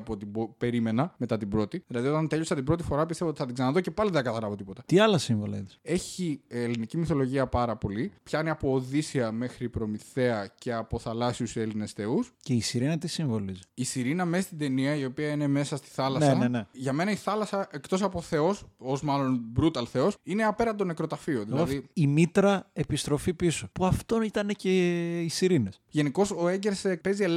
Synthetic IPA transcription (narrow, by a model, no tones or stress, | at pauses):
pot̪ibope̞ɾime̞nɐme̞t̪ɐt̪ibɾo̞t̪iðilɐðio̞t̪ɐnt̪e̞ʎo̞sɐt̪ibɾo̞t̪̬ifo̞ɾɐp̬ist̪eoot̪iθɐt̪iɡzɐnɐðoce̞pɐliðeθɐkɐθɐɾɐvo̞t̪ipo̞t̪ɐt̪iɐlɐsiɱvo̞lɐ̰it̪ise̞çielinicimiθo̞lo̞ʝiɐpɐɾɐpo̞lipçɐniɐpo̞ːðisiɐme̞xɾipɾo̞miθe̞ɐce̞ɐpo̞θɐlɐsiuse̞line̞sθe̞usce̞isiɾinɐt̪isiɱvo̞lizisiɾinɐmest̪id̪e̞niɐio̞piɐine̞me̞sɐst̪i̥θɐlɐnseɐnene̞ʝɐme̞nɐiθɐlɐsɐʔe̞kt̪o̞sɐpoθe̞o̞so̞zmɐlo̞nbɾut̪ɐlθe̞o̞sine̞ɐpe̞ɾnɐnd̪o̞ne̞kɾo̞t̪ɐfio̞ðiɐoðiimit̪ɾɐe̞pist̪ɾo̞fipisopuɐft̪o̞nit̪ɐne̞ce̞isiɾine̞sʝe̞niko̞so̞e̞ɲɟeɾspe̞zie